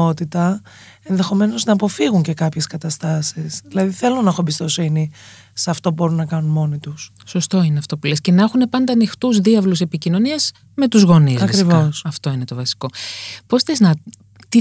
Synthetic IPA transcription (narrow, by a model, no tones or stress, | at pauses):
ot̪it̪ɐ | enðe̞xo̞me̞no̞znɐːpo̞fiɣuɲce̞kɐpçe̞skɐt̪ɐst̪ɐsisðilɐðiθe̞lo̞nɐexoebist̪o̞sini | seɐft̪o̞pubo̞ɾunːɐkɐnunmo̞nit̪us | so̞st̪o̞ineɐft̪o̞pule̞sce̞nexune̞pɐnd̪ɐːnixt̪uzðiɐvluse̞picino̞niɐz | me̞t̪uzɣo̞nizɐkɾivosɐft̪o̞ine̞t̪o̞vɐsi̥ko̞po̞sθeznɐ | t̪i